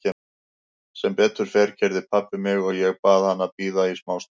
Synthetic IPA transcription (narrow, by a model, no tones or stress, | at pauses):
ɛ | sɛmpɛːt̪ʏɾ̥fɛɾ̥cʰɛɾðɪpʰapːɪmɪɣɔɣjɛɣpaːðhanːapiːðaismaːwst̪